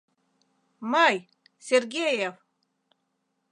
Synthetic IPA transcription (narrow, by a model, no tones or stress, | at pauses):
mɑj | sʲerɡʲejev